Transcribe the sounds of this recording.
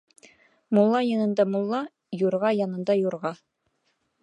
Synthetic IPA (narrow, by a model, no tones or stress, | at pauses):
mʊlˠːɑjɑnɤ̆nd̪ɑmolˠːɑ | juɾʁɑjɑnɤ̆nd̪ɑjuɾʁɑ